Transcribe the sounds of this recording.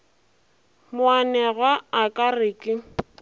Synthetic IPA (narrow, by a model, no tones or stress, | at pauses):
mʊanɛɣwaːkʼarɪkʼɪ